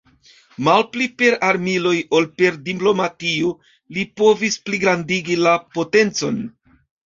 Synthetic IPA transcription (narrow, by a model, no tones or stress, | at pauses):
malplipe̞ɾaɾmilo̞jo̞lpe̞ɾdiplo̞matio | lipo̞vispliɡɾandiɡilapo̞te̞nt͡so̞̰n